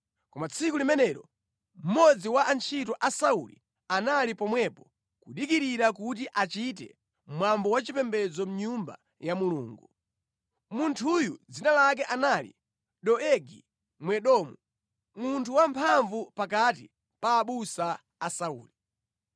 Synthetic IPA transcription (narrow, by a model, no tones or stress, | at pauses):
kɔmat͡sʰikulimɛnɛɾɔ | m̩mɔd͡ziwaʔant͡ʃʰitɔʔasaulḭ | analipɔmwɛpɔ | kuɗikiɾiɾak̬ut̬iʔat͡ʃit̬ɛ̰ | mwambɔwat͡ʃipɛmbɛd͡zɔm̩ɲumba̰ | jamuluːŋɡu | muntʰujud͡zinalak̬ɛʔanalḭ | ɗɔɛɡi | mwɛɗɔːmu | muntʰuwampʰaɱvupakat̬ḭ | paːɓusaː | saṵːli